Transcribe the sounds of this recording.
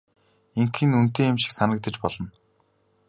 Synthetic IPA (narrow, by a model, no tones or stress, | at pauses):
eŋkɘ̆nunt̪eːemʃĭ̥ksanə̆k̚t̪ə̆t͡ɕpɔɮɞ̆n